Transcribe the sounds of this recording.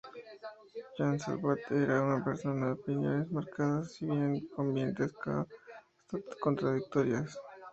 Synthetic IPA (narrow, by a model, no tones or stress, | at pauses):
ʝansa̰lβat̪eɾaunapeɾso̞naðeopinjo̞̰ne̞zmaɾkaðasiβjeŋkombjent̪eska | ko̞nt̪ɾaðik̚t̪oɾjas